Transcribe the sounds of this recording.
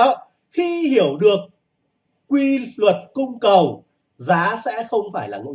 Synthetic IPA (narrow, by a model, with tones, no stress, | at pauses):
xi˧hi˧˩əwɗɨ˨˩ək̚ː | wi˧lwə˨˩t̚kʊ˧ŋ͡mkə˨˩w | zaː˨˦sɛ̰˧˥xə˧wŋ͡mfaː˧˩jlaː˨˩ŋo̰˧˨